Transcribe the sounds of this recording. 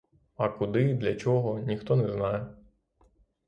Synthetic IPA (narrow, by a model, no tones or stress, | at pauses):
ɐkʊd̪ɪd̪lʲɐt͡ʃɔɦɔnʲixt̪ɔnɛznɑjɛ